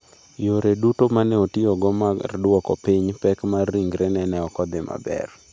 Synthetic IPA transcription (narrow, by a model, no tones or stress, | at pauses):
joɾedutomanɛotɪɔɡɔmardwɔkɔ̰piɲpɛkmarːiŋɡɾɛnɛnɛɔkɔd̪ɪma̰bɛ̰r